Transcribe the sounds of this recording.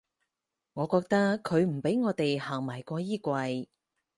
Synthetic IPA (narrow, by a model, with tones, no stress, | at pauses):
ŋɔː˨˧kɔː˧k̚t̪ɐ˥kʰːɵ˨˧ɥm̩˨˩pe˨˥jŋɔː˨˧t̪e˨jhaː˨˩ŋmaː˨˩jkʷɔː˧jiː˥kʷɐ˧j